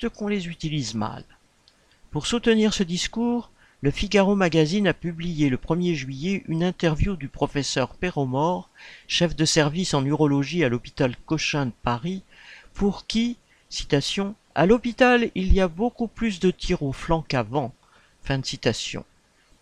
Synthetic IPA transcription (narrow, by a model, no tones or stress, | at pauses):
t̪əkɔ̃lezyt̪ilizma̰l | puʁsut̪niʁsəd̪iskuːʁ | ləfiɡaʁomaɡazinapyblijeləpχəmjeʒɥijɛʔynɛ̃t̪ɛʁvjud̪ypχɔfɛsœʁpeʁɔmɔʁʃɛfd̪əsɛʁvisɑ̃nyʁɔlɔʒialɔpi̥t̪alkɔʃɛ̃d̪əpaʁi | puʁkʲi | si̥t̪asjɔ̃ | a̰lɔpit̪aliliabokuplys̬d̪ət̪ʰiʁoflɑ̃kavɑ̃ | fɛ̃d̪əsit̪asjɔ̰̃